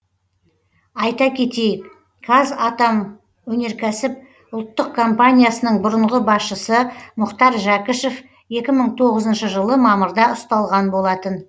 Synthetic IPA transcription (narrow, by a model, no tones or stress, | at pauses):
ɑjt̪ɑkʲʰe̞t̪e̞jɪk | kʰazɑt̪ɑm | wɵne̞ɾkʲʰæsɪp̚ | ʊlˠt̪ːəq̚kʰo̞mpanʲijasənəɴbʊɾəɴʁəbɑsʃəsəmʊqt̪ɑɾʒakəʃef | e̞kʲɪməɴt̪ʰo̞ʁəzənʃəʒəlˠəmɑməɾd̪ɑʊst̪ɑlˠʁɑnbo̞lˠɑt̪ən